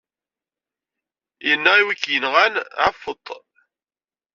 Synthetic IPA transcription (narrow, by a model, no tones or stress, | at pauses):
jənːæiwikːjənʁænʕafət̪ˤː